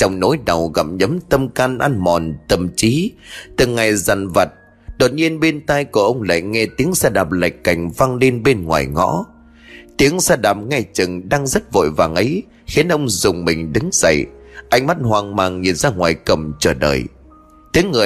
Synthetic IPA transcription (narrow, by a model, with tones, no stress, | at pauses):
t͡ɕɔ˧wŋ͡mno̰˧˨˦jɗə˨˩wɣə̰˧˨˩p̚ɲə˨˦mt̪ə˧mkaː˧nʔaː˧nmɔ˨˩nt̪ə˨˩mt͡ɕi˨˦t̪ɨ˨˩ŋːa˨˩jza˨˩nvə˨˩t̚ | ɗo˨˩t̚ɲi˧ənɓe˧nt̪a˧jku˧˩əʔə˧wŋ͡mla̰ː˧˨jŋɛ˧t̪i˨˦əŋsaː˧ɗaː˨˩p̚la̰˧˨jkːa˨˩jŋ̟va˧ŋle˧nɓe˧nŋwa̰ː˨˩jŋɔ̰˧˥ | t̪i˨˦əŋsaː˧ɗaː˨˩p̚ŋa˧˩t͡ɕɨ˨˩ŋɗaː˧ŋzə˦˥t̚vo̰˧˨jva̰ː˨˩ŋʔə˨˦j | xi˨˦nʔə˧wŋ͡mzʊ˨˩ŋ͡mmï˨˩ŋ̟ɗɨ˨˦ŋz̥ə̰˧˨jʔa˧jŋ̟ma˦˥t̚hwaː˨˩ŋmaː˨˩ŋɲi˨˩ənzaː˧ŋwa̰ː˨˩jkə˨˩mt͡ɕəː˧˩ɗə̰ː˨˩j | t̪i˨˦əŋːɨ˨˩ə